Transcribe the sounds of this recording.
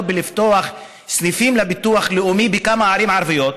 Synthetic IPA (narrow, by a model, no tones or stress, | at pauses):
bɪlɪft̪oax | snifiːmlɪbɪt̪uaxlɪʔumibɪkamːaʕaɾiːmʕɑɾˤvɪjoːt̪